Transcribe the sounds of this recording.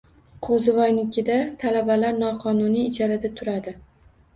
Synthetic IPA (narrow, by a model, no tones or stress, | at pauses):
qʰozvɒjnɪkʲɪd̪at̪ʰalabalaɾnɒqʰɒnʊniːd͡ʒaɾad̪at̪ʰʊɾad̪ɪ